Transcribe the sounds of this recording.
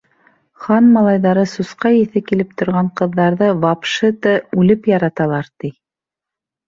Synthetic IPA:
χɑnmɑlˠɑjðɑɾɤsusqɑjiθɘkilɘp̚t̪ŏɾʁɑɴqɤ̆ðːɑɾðɤvɑpʃɤt̪ɤʉlɘpjɑɾɑt̪ɑlˠɑɾt̪i

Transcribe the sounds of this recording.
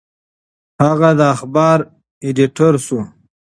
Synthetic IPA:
haɣad̪əaxbɑːɾ | eɖiʈʰoɾsu

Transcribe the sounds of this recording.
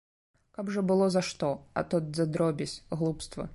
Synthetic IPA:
kabʐɐbɨlˠɔzɐʂt̪ɔɐ̰t̪ɔt̪zɐd̪ɾɔbʲɛsʲɣlˠupst̪vɐ̰

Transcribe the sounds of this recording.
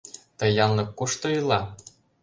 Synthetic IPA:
t̪ɤ̆jɑnlɤ̆kkuʃt̪ŏilˠɑ

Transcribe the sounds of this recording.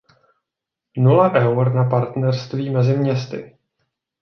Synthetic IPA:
nulaʔɛwɾnapaɾt̪nɛrst̪viːmɛzɪmɲɛst̪ɪ̰

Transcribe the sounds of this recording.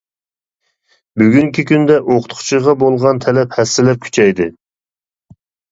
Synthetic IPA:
byɡʲyŋkʲʰikʲynd̪ɛʔoqʰʊ̥t̪qʰʊ̥t͡ʃʰiʁɑbolˠʁɑnt̪ʰɛlɛphɛsːɪlɛp̚kʲʰy̥t͡ʃʰɛjd̪ɨ

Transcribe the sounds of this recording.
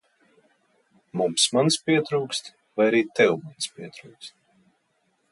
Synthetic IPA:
mumsmanspʲiɛt̪ɾuːkst̪ | vajaɾiːt̪ɛwmanspʲiɛt̪ɾuːkst̪

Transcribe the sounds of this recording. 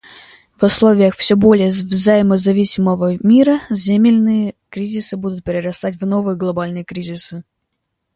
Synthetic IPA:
vʊslˠo̞vʲɪjəxfsʲɵbo̞lʲɪjəvzɐjɪməzɐvʲisʲɪməvəmʲiɾəzʲemʲɪlʲnɨjəkɾʲizʲɪsɨbud̪ʊt̪̚pʲɪɾʲɪrɐst̪at̬̚ʲvno̞vɨjəɡlˠɐbalʲnɨjəkɾʲizʲɪsɨ

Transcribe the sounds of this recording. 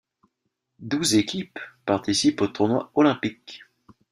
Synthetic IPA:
d̪uzekʲʰipːaʁt̪isipot̪uʁnwaɔlɛ̃pik

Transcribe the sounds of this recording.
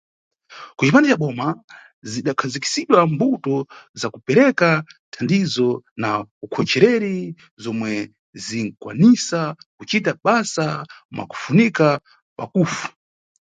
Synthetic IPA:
kut͡ʃipandɛt͡ʃaɓɔma | ziɗakʰaziki̥siɗwambutɔzakupɛɾɛkatʰandizɔnaukʰɔt͡ʃɛɾɛɾi | zɔmwɛ | ziŋ̩kwa̰nisakut͡ʃitaɓasamwʔa̰ku̥funika | pakufu̥

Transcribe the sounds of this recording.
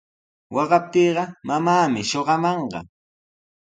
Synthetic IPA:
wɑɢɑp̚t̪iːɢɑmamaːmɪʃoɢɑmɑɴɢɑ̰

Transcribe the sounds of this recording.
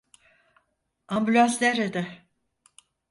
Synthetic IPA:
ambylʲaslʲeɾed̪ɛ

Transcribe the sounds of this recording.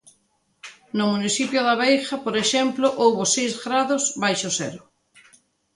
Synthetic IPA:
nʊmuniθipjʊðaβejxapoɾeʃɛmplʊʔowβʊsejzɣɾaðʊsβajʃʊsɛ̰ɾʊ

